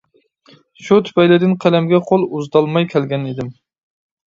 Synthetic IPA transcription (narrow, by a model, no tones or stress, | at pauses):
ʃut̪ʰy̥pɛjlɪd̪ɪnqʰælæmɡʲɛqʰolˠuzd̪ɑlˠmɑjkʲʰɛlɡʲɛnid̪ɪm